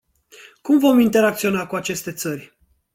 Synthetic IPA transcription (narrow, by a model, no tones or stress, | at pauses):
kumvo̞mint̪e̞ɾak̚t̪sio̞nakuat͡ʃe̞st̪e̞t̪sərʲ